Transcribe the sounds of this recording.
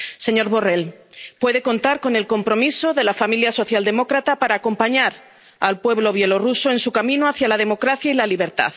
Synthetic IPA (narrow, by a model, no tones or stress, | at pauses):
se̞ɲo̞ɾβo̞relpwe̞ðe̞ko̞nt̪aɾko̞ne̞lko̞mpɾo̞miso̞ðe̞lafamiljaso̞θjald̪e̞mo̞kɾat̪apaɾaːko̞mpaɲaɾ | alpwe̞βlo̞β̞je̞lo̞ruso̞e̞nsukamĩnoaθjalað̞e̞mo̞kɾaθjailaliβ̞e̞ɾt̪a̰ð